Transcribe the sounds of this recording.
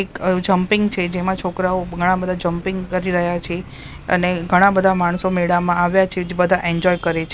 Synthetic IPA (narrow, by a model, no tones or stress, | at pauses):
ekd͡ʒəmpɪŋɡt͡ʃʰed͡ʒemãt͡ʃʰokɾaoɡʱəɽ̃ãbəd̪ʱad͡ʒəmpiŋɡkəɾiɾəɦjat͡ʃʰe | ə̰neɡʱəɽ̃ãbəd̪ʱamaɳ̃someɽamãaʋjat͡ʃʰed͡ʒebəd̪ʱaʔɛɲd͡ʒɔjkəɾet͡ʃʰe